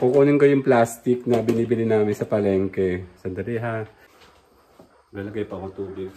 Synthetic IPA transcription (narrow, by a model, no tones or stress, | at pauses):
kokoʔonɪnkɐjʊŋplaːst̪ɪk̚nɐbɪniːbɪlɪnaːmɪnsɐpɐlɛŋkɛsɐnd̪ɐɾiɦa | ɡɐlɐɡajpɐkot̪uːbɪɡ